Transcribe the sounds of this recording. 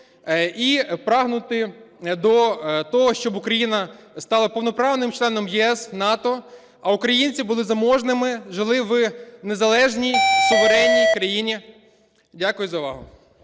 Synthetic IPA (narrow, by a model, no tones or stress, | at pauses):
ipɾɑɦnʊt̪ɪd̪ɔt̪ɔɦɔʃt͡ʃɔbʊkɾɐjinɐst̪ɑlˠɐpɔwnɔpɾɑʋnɪmt͡ʃlˠɛnɔmjɛɛsnɑt̪ɔ | ɐʊkɾɐjinʲt͡sʲibʊlˠɪzɐmɔʒnɪmɪʒɪlˠɪʋnezɐlˠɛʒnʲijsʊʋeɾɛnʲːijkɾɐjinʲi | dʲakʊjʊzɐʋɑ̰ɦʊ